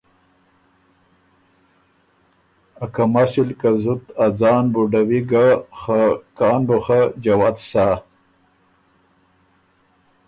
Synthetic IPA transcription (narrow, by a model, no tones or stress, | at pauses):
akamaʃilkazʊt̪ad͡zɑːnbuɖawiɡaxakɑːnboxad͡ʒawat̪saː